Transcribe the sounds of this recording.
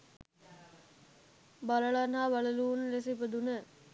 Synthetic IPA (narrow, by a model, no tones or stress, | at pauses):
baləɭanɦaːʋalɐluːnlesipəd̪unə